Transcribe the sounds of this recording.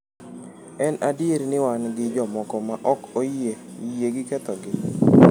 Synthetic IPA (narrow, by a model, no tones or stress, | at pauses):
ɛnʔadjeɾnɪwanɡɪd͡ʒɔmɔkɔmaʔɔkojejeɡɪkɛt̪ɔɡɪ